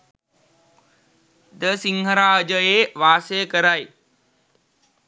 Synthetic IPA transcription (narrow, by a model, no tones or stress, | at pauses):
d̪əsɪ̃ŋɡʱəɾaəd͡ʑəeʋaːsekəɾaːiː